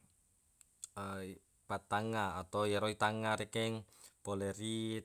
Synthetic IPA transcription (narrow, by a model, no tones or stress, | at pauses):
pat̪aŋaːt̪ɔwjɛɾoit̪aŋaɾekɛŋ | poleri